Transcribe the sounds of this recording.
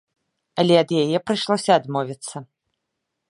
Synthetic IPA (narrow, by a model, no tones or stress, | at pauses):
ɐlʲɛɐd̪jajɛpɾɨʂlˠɔsʲɐːd̪mɔvʲit̪sːɐ